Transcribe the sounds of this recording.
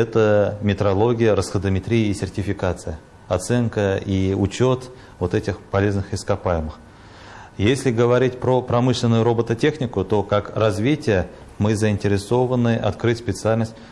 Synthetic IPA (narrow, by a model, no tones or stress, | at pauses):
ɛt̪əmʲɪt̪ɾɐlˠo̞ɡʲɪjəɾəsxəd̪əmʲɪt̪ɾʲijəisʲɪrtʲɪfʲɪkat̪sɨjə | ɐt̪sɛnkəiʊt͡ɕo̞t̪ | vo̞t̪ɛtʲɪxpɐlʲe̞znɨxɪskɐpajɪmɨx | jesʲlʲɪɡəvɐɾʲitʲpɾopɾɐmɨʂlʲɪnːʊjʊɾo̞bət̪ətʲe̞xnʲɪkʊt̪o̞kakrɐzvʲitʲɪjə | mɨzəɪnʲtʲɪɾʲɪso̞vənɨʔɐ̰t̪kɾɨtʲspʲɪt̪sɨalʲnəsʲtʲ